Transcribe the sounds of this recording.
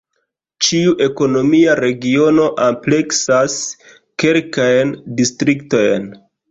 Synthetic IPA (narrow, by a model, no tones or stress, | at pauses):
t͡ʃiuʔe̞ko̞no̞miaɾe̞ɡio̞no̞ʔample̞ksas | ke̞lkajndistɾikto̞jn